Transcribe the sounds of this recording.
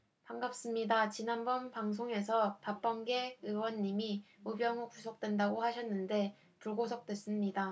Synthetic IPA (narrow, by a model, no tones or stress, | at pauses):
paŋɡap̚s͈ɯmɲidat͡ɕinanbʌnpaŋs̬ʰoŋe̞sʰʌtap͈ʌŋɡe̞ɯwʌnːimiubjʌŋokusʰʌk̚t͈we̞ndaɡohaɕʰʌnːɯnde̞ | puɭɡosʰʌk̚t͈we̞s͈ɯmɲida